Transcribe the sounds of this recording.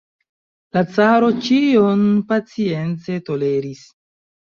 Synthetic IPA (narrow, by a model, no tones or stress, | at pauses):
lat͡saɾo̞t͡ʃionpat͡sie̞nt͡se̞to̞le̞ɾis